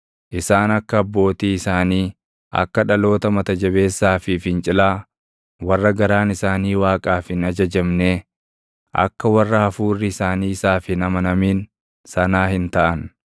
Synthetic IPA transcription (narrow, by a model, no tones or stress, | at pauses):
ʔɪsaːnɐkːɐːbːo̞ːt̪iːɪsaːniː | ʔɐ̰kːɐᶑɐlo̞ːt̪ɐmɐt̪ɐd͡ʒɐβe̞ːsːaːfɪfɪnt͡ʃʼɪlaː | wɐrːɐɡɐɾaːnɪsaːniːwaːkʼaːfɪnɐd͡ʒɐd͡ʒɛmneː | ɐ̰kːɐwɐrːɐhɐfuːrːɪɪsaːniːɪsaːfɪnɐmɐnɐmiːn | sɐnaːhɪnt̪ɐʔɐn